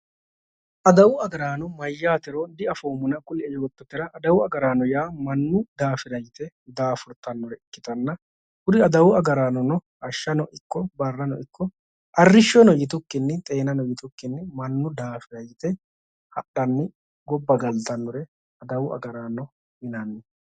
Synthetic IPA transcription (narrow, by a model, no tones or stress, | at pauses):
ʔɐd̪ɐwʊɐɡɐɾaːnɔmɐjːaːt̪ɪɾod̪ɪɐfoːmʊnɐkʼʊlɪɛjo̞ːt̪ːɔt̪ːɪɾɐʔːd̪ɐwʊɐɡɐɾaːnɔjaːmɐnːʊd̪aːfɪɾɐjɪt̪ɛ | d̪aːfʊɾt̪ɐnːɔɾɛɪkːɪ̥t̪ɐnːɐ | hʊd̪ɪɐd̪ɐwʊɐɡɐɾaːnɔnɔ | ɐʃːɐnɔʔɪkːɔbɐrːɐnɔɪkʰːɔ | ʔɐrːɪʃːɔnɔjɪt̪ʊkːɪnːɪt̪ʼe̞ːnɐnɔjɪt̪ʊkːɪnːɪmɐnːʊd̪aːfɪɾɐjɪt̪ɛ | hɐɗɐnːɪ | ɡɔbːɐɡɐlt̪ɐnːɔɾɛ | ɐd̪ɐwʊʔɐ̰ɡɐɾaːnːɔ | mɪnɐnːɪ